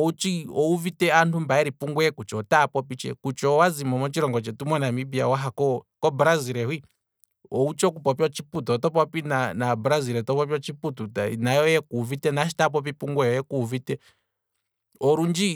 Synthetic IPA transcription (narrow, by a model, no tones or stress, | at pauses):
ɔut͡ʃiɔuvitɛantʰumbaɛɾipuŋɡwɛkut͡ʃɔtapɔpit͡ʃɛ̰kut͡ʃɔwazimɔmɔt͡ʃiɾɔŋɡɔt͡ʃɛtumwɛnamibiawaɦakɔkɔbɾaziɾɛɦwi | ɔut͡ʃɔkupɔpiwɔt͡ʃiput̪uɔt̪ɔp̬ɔpinanabuɾaziɾɛt̪ɔpɔpiɔt͡ʃiput̪utanajɔjɛkuːvitɛnaʃi̥tap̬ɔp̬ipuŋɡwɛjɔjɛkuvitɛ | ɔɾund͡ʒi